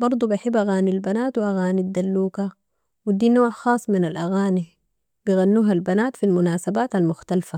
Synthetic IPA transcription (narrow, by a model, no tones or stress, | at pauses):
bɑɾˤd̪ˤubiħɪbːʔaɣaːnilbanaːt̪wiʔaɣaːnid̪ːalːuːka | wid̪iːnoːʕxɑːsˤːminalʔaɣaːni | biɣanːuːɦalbanaːt̪filmʊnaːsabaːt̪almʊxt̪alfa